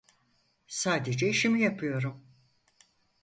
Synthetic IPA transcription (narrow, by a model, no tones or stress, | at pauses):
saːd̪ed͡ʒɛiʃimijapʰɯjo̞ɾum